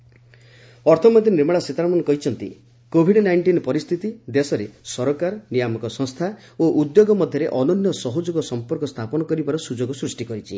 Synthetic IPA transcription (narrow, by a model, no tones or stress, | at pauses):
ɔɾt̪ʰɔmɔd̪inɾemaɭaset̪aɾmɔnɔkɔɦit͡ʃʰɔnt̪ḭ | kobʱiɖnajɳʈinɔpɔɾist̪ʰit̪id̪esɔɾesɔɾɔkaɾɔnijamɔkɔsɔ̃ŋst̪ʰaoʔud̪joɡɔmɔd̪ʱjɔɾeʔɔnɔnjɔsɔɦɔd͡ʒoɡɔsɔmpɔɾkɔst̪ʰapɔnɔkɔɾibaɾɔsud͡ʒoɡɔsɾusʈikɔɾit͡ʃʰi